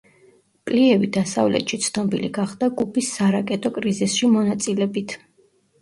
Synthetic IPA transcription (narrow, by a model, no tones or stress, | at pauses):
pʼliɛvid̪asa̰vlɛ̰t̪ʰʃit̪sʰnɔbḭlḭɡaχd̪aɡupʰisːaɾakʼɛt̪ʼɔkʼɾizisʃimɔnat̪sʼilɛbit̪ʰ